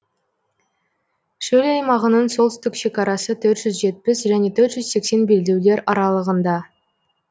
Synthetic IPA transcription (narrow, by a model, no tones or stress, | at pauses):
ʃɵlɑjmɑʁənəɴso̞lˠt̪ʏst̪ɪkʃe̞kɑɾɑsət̪ʰɵɾt̪ʒ̥ʏzʒe̞t̪̚pɪsʒæne̞t̪ʰɵɾt̪ʒʏzse̞kse̞nbe̞ld̪e̞wd̪e̞ɾɑɾɑlˠəʁənd̪ɑ